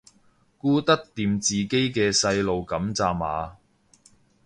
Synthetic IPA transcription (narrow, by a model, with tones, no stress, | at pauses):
kuː˥t̪ɐ˥k̚t̪iː˧mt͡siː˨ke˥jkɛː˧sɐ˧jlo˨wkɐ˨˥mt͡saː˨ma̰ː˨˧